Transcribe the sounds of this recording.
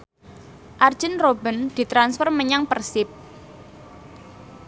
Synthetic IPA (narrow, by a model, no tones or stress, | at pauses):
ʔar̥ʒ̥ənrobənd̪̥i̤t̪ɾansfɔrməɲaŋpərsɪp̚